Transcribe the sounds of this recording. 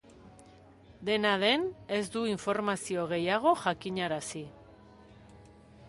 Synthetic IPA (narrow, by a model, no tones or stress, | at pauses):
d̪e̞nað̞e̞ne̞zd̪uiɱfo̞ɾmasio̞ɣ̞e̞jaɣ̞o̞ʝakiɲaɾasi